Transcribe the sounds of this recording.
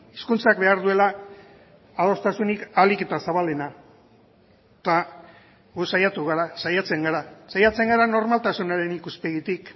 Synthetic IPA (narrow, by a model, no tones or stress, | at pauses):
iskunt͡sakbe̞aɾðue̞laː | ðo̞st̪asunikalike̞t̪asaβald̪ena | t̪a | ɣusajat̪uɣ̞aɾasajat͡se̞ŋɡaɾasajat͡se̞ŋɡaɾano̞ɾmalt̪asunaɾe̞nikuspe̞ɣit̪ik